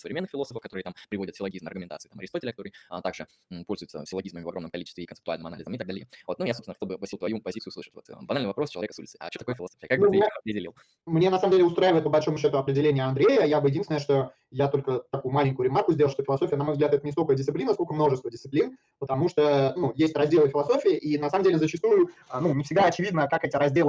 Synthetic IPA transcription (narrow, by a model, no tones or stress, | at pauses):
səvɾɪmʲenːɨxfʲɪlˠo̞səfəfkɐt̪o̞ɾɨət̪ampɾɪvo̞dʲɪt̪fʲɪlˠɐɡʲizmɐrɡʊmʲɪnt̪at̪sɨɪt̪amɐɾɪst̪otʲɪlʲkɐt̪oɾɨjət̪aɡʐɨ | po̞lʲzʊjt̪sə̰fʲɪlˠɐɡʲizməmɪvɐɡo̞mnəmkɐlʲit͡ɕɪst̪vɪːkənɨpt̪ʊalʲnɨmɐna̰lʲɪzəmɪt̪aɡd̪alʲjəvo̞t̪nujasopsʲnxt̪olbɨvɐsʲilˠt̪vɐjupɐzʲit̪sɨʊːslˠɨʂə̥tʲvo̞t̪ə̰bɐnalnɨvɐpɾost͡ɕɪɐvʲekəsṵlʲɪtsɨɐ̰t͡ɕːoɐkojəfʲɪlˠɐsofʲɪjəkak̚neɐpɾʲɪdʲɪlʲilˠ | mnʲenɐsaməmdʲelʲɪʊst̪ɾaɪvəɪt̪̚pəbɐlʲʂo̞mʊɕːo̞t̪ʊɐpɾʲɪdʲɪlʲenʲɪjəɐnd̪ɾʲejəjabɨjɪdinsʲɪnəʂt̪o̞ | jat̪o̞lʲkət̪ɐkujʊmalʲɪŋʲkʊjʊɾʲɪmarkʊzʲdʲelˠʂt̪ofɪlˠɐso̞fʲjənɐmovzɡlʲat̪ɛt̪ənʲɪst̪okəjdʲɪst̪ɪplʲinəskolkəmno̞ʐɨst̪vədʲɪsɨplʲin | pət̪ɐmuʂt̪onujesʲtʲrɐzʲdʲe̞lˠəfɪlˠɐso̞fʲɪɪʔinɐsaməmdʲelʲɪzət͡ɕɪst̪ujʊnunʲɪfsʲɪɡd̪aɐt͡ɕɪvʲid̪nəkakɛtʲɪɾɐzʲdʲelˠə